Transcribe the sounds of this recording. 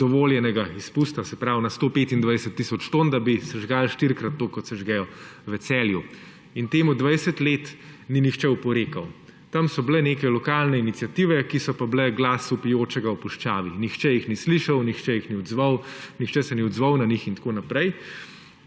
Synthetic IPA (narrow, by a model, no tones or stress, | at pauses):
d̪̥ɔʋoːljɛnɛɡaispust̪asɛpɾawnast̪oːpeːt̪ind̪ʋajsɛt̪ːisɔt͡ʃt̪oːnd̪abisɛʒɡalʃt̪iɾkɾat̪ːoːkɔt̪sɛʒɡɛjɔʋɛsɛːlju | int̪eːmud̪ʋajsɛt̪let̪ninixt͡ʃɛupɔɾeːkɐw | t̪amsɔblɛneːkɛlɔkalnɛinit̪sijat̪iːʋɛkisɔpablɛɡlaːsupijoːt͡ʃɛɡaupuʃt͡ʃaːʋinixt͡ʃɛjixnisliʃɐwnixt͡ʃɛjixniɔd̪zʋɐwnixt͡ʃɛsɛniɔd̪zʋɐwnɐnixint̪ḁkoːnapɾɛj